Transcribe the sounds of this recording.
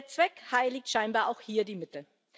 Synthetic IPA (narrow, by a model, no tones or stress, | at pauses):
t͡sv̥ɛkhaɪlɪktʃaɪnbaːɐʔaʊxhiːɐdiːmɪtə